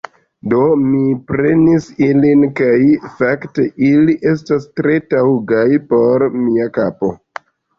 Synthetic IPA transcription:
do̞mipɾe̞nisilinkajfakte̞ʔiliʔe̞s̬tastɾe̞tauɡajpo̞ɾmiakapo̞̰

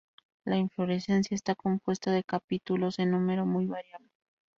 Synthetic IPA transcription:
laiɱflo̞ɾe̞se̞ns̬jaest̪ako̞mpwe̞st̪aðe̞kapit̪ulo̞senːũme̞ɾo̞mujβaɾjaðo

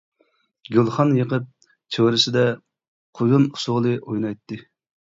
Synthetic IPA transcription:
ɡʲølˠχɑnjeqəp̚ | t͡ʃʰøwɾɪsɪd̪ɛ | qʰojunu̥sʊʁlˠɨʔojnɑjt̪ːɨ

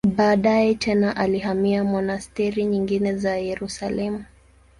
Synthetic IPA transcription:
ɓaːɗajɛtʰɛnaʔalihamiamɔnastɛɾiɲiŋɡinɛzajɛɾusalɛmu

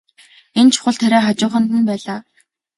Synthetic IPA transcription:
ent͡ɕʰʊ̥χə̆ɮt̪ʰæɾæːχat͡ɕʊːχə̆nt̪ɘ̆npæːɮaː

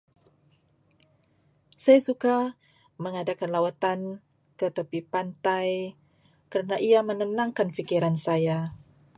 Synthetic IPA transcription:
sajasuka | məŋadakanlawat̪an | kət̪əpipant̪aj | kəɾənaʔiamənənaŋkanfikiɾansaja

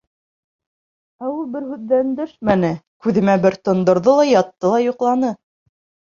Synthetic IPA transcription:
æwulˠbɘɾhʉðːænd̪ɵʃmænɘkʉðɘ̆mæbɘɾt̪ŏnd̪ŏɾðɤlˠɑjɑt̪ːɤlˠɑjŏqlˠɑnɤ

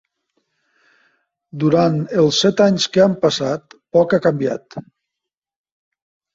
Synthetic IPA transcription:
d̪uɾanəlˠsɛt̪aɲskəampəsat̪̚pɔkakambia̰t̪

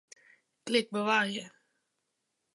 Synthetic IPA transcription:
klɪk̚ːpɔvaɾjə

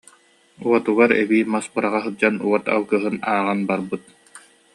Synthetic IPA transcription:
uɔt̪uɡaɾɛbiːmaspɯɾaʁaɦɯd͡ʑanuɔt̪a̰lˠkɯɦɯnaːʁanbaɾbɯt̪̚

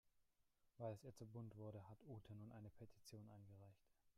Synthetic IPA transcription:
v̥aɪlɛsjiːɐt͡subʊntv̥ʊɐɾəɦatʰʔuːtʰənuːnʔaɪnəpʰetʰi̥t͡sjoːnʔa̰ɪnɡəʁaɪçt

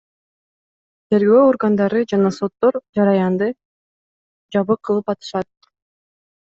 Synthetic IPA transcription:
t̪ʰe̞ɾɡøːo̞ɾɡand̪ɑɾɯd͡ʒɑnɑso̞t̪ːo̞ɾd͡ʒɑɾɑjɑnd̪ɯ | d͡ʒɑβɯqʰːɯlˠɯpɑt̪ɯ̥ʃɑt̪̚

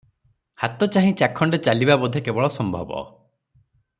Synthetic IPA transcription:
hat̪ɔt͡ʃaɦĩt͡ʃakʰɔɳɖet͡ʃalibabɔd̪ʱːekebɔɭɔsɔmbʱɔ̰bɔ̰

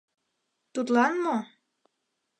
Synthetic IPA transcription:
t̪ut̪lɑnmo

